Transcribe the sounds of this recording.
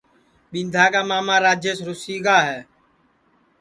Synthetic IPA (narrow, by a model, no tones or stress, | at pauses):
ɓɪ̃nd̪ʱaːkaːmaːmãːɾaːd͡ʒjəsɾʊsiːɡaːɦɛː